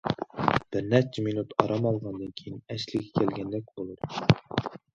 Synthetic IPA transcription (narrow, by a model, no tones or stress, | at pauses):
b̥ɪɾnæɾt͡ʃʰɛminut̪ʰɑɾɑmɑlˠʁɑnd̪ɨnkʲʰejinɛslɪɡʲɛkʲʰælɡʲɛnd̪æk̚ʲbolˠud̪ɨ